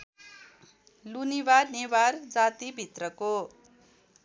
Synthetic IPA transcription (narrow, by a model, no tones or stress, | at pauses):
lunibarneward͡zat̪ibʱit̪rʌko